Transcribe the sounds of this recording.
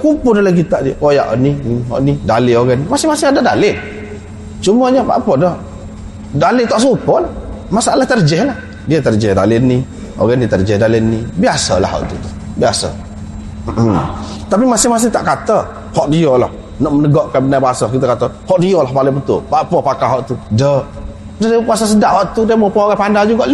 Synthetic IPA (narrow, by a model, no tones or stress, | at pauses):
kupʊdalaɡit̪aʔdikojaʔə̰niɦɔ̰ʔnidalɪoɡanimasɪhmasɪhadadalɪn | t͡ʃuməɲəba̰ʔpədɔ | dalɪt̪aʔsupɔlah | masaalaht̪ərd͡ʒɛhlah | diat̪ərd͡ʒɛhda̰lɪnːi | o̰ɣanit̪ərd͡ʒɛhdalɪnnːibiasə̰la̰hɔ̰ʔt̪ut̪u̥ | biasə̰ | m̩ʔ̩ | t̪ap̬imasɪhmas̬ɪht̪aʔkat̪ə | hɔʔdiɔla̰h | nɔʔmənəɡɔʔkanbənajbasəhkit̪əkat̪əhɔʔdiɔlahpalɪbət̪ʊ̰lbaʔpɔpakaɦɔʔt̪udə | dədipuas̬as̬ədaʔhɔʔt̪udəmopɔoɣɛpandald͡ʒuɡaʔ